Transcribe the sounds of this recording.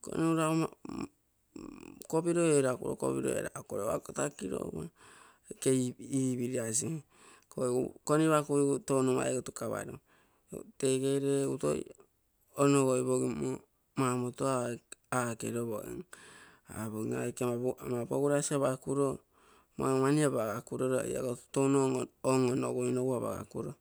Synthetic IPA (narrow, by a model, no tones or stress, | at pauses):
ko̰niuɾaoma | kobiɾoeɾakṵɾo̰ko̰piɾo̰ḛɾakoɾea̰kotakiɾo̰ma | keiːβiɾias̬i | kokoniβakuitonuma̰eɡutukaβa̰ɾo̰ | teɡeɾeuto̰j̰ | onoɡojβoɡimo | mamotoaakeɾoβo̰ḛŋ | a̰βoŋa̰kemaboɡuɾasiaβakuɾo | mamaniabaɡakuɾoɾoḛja̰ɡottonooŋonoɡojnoɡuaβa̰ɡa̰kuɾo